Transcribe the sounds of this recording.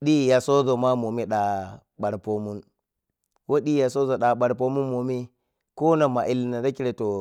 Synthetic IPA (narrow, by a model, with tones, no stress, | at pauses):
ɗi˦ja˨so˦zo˨ma˦mo˨mi˦ɗa˨ | ɓa˨ɾpo˦mu˦n | wo˦ɗi˦ja˨so˦zo˨ɗa˨ɓa˨ɾp̬o˦mu˦mo˨mi˦ | ko˦na˨ma˨ʔi˦lna˨da˦ki˦ɾe˨to˨